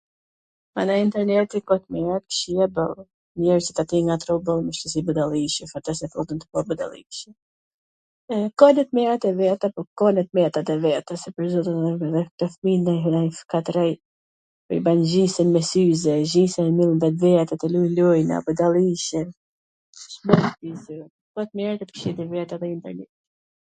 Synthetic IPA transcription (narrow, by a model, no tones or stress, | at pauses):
manaint̪ɛɾnɛt̪ikɔt̪mɛɾat̪̚kʃiɛbəlˠ | ɲɛɾsɛt̪at̪iŋɡat̪ɾɔbəlˠməʃt̪əs̬ibəd̪alˠiʃəfat̪ɛsɛfɔt̪ənt̪ə̥kɔbəd̪a̰lˠḭʃə | kɔnɛt̪mɛɾat̪ɛvɛt̪apɔkɔnɛt̪̚mɛt̪at̪ɛvɛt̪əsɛpəɾzɔt̪ənðɛðɛk̚t̪ɔfminajɦafkat̪ɾɛj | pə̰ibanzisɛnmɛsyzɛzisɛɛmilˠnvɛt̪̬vɛt̪at̪ɛlujlɔjna̰bəd̪alˠiʃɛn | ʃbɔtizə | kɔɛt̪mɛɾat̪ɛpəɾʃid̪ivɛt̪aðɛint̪ɛɾnɛt̪